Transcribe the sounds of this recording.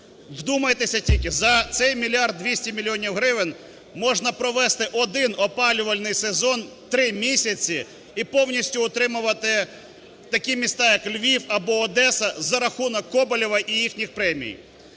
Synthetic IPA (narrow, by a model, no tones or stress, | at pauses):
d̪umɐjet̪esʲɐtʲilʲkɪzɐt̪sɛjmʲilʲiɑrd̪̚ːʋʲisʲtʲimʲilʲiɔnʲiwɦɾɪʋɪn | mɔʒnɐpɾɔʋɛst̪ɪʔɔd̪ɪnɔpɑlʲʊʋɐlʲnɪjsezɔn | t̪ɾɪmʲisʲɐt͡sʲi | ipɔwnʲisʲtʲʊːt̪ɾɪmʊʋɐt̪ɪ | t̪ɐkʲimʲist̪ɑjɐklʲʋʲiwɐbɔːd̪ɛsɐzɐɾɐxunɔkːɔbɐlʲiʋɐʔijixnʲixpɾɛmʲḭj